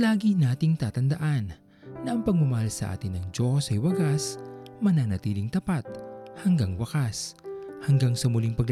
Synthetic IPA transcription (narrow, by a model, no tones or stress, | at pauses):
laːɡinaːt̪ɪŋt̪aːt̪ɐnd̪ɐʔanː | ɐʔɐŋpɐɡ̚mʊmɐhalsɐʔa̰ːt̪ɪnːɐŋd͡ʒosɐjwɐɡasmɐnanɐt̪iːlɪŋt̪ɐpat̪̚hɐŋɡaŋwɐkashɐŋɡaŋsɐmʊliŋpɐɡl